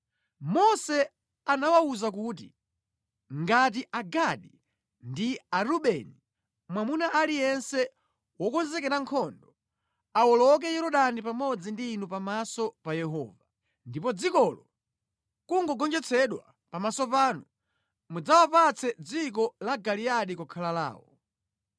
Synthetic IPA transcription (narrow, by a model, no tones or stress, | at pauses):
mɔsɛ | anawauzak̬uːtḭ | ŋɡat̬iʔaɡaɗi | ndiaɾuɓɛni | mwamunaʔalijɛnsɛ | wɔkɔnzɛkɛɾaŋkʰɔndɔ | awɔlɔk̬ɛjɛɾɔɗanipamɔd͡zindiːnupamasɔpajɛɦɔ̰ːva | ndipɔd͡zikɔlɔ | kuŋɡɔɡɔnd͡ʒɛt͡sʰɛɗwa | pamasɔpaːnu | mud͡zawapat͡sʰɛd͡zik̬ɔlaɡaliaɗikɔkʰalala̰ːwɔ̰